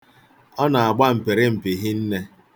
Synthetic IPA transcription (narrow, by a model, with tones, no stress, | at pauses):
ɔ˦na˨a˨ɡ͡ba˦m̩˨pɪ˨ɾɪ˦m̩˨pɪ˨ɦɪ˦n̩˦ne˦